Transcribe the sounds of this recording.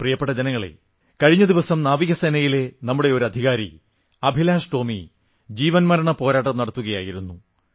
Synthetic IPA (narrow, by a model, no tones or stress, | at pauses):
prijɐpːeʈːɐd͡ʑɐnɐŋːɐɭḛ | kɐɻiɲːɐd̪iʋɐsɐmnaːʋiɣɐsenɐjile̞nɐmːuɽe̞o̞ɾɐd̪ʱiɣaːɾḭ | ɐbʱilaːʂʈo̞ːmi | d͡ʑiːʋɐnmɐɾɐɳɐpo̞ːɾaːʈ̬ːɐmnɐɽɐt̪ːuɣɐja̰ːjiɾunːu